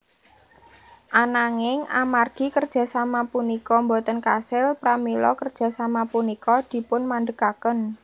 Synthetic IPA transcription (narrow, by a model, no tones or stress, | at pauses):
ʔanaŋɪŋa̰marɡ̥i̤kərd̥ʒ̥a̤samapunikɔmbot̪ənkasɪlpɾamilɔ̰kərd̥ʒ̥a̤samapunikɔd̪̥i̤pʊnmanɖ̪əkakən